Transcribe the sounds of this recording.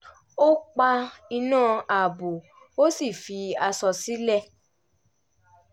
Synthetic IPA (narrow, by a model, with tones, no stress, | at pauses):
o˦k͡pa˧i˧nãː˦˨a˨bo˨ | o˦si˦˨fi˧a˧sɔ˧si˦lɛ˦˨